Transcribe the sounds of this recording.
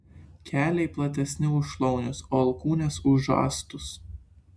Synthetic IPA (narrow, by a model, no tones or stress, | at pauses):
kʲæːlʲɛɪplˠɐt̪ʲɛsʲnʲɪʊʃlˠɒʊnʲʊsoːɐlˠkuːnʲesʊʒɑ̰ːst̪ʊs